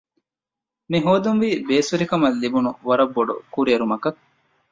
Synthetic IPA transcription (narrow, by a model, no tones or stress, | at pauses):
miɦoːd̪unʋiːbeːsuɾikɐmɐlːibunuʋɐɾɐbːoɖṵkuɾeɾumɐkɐk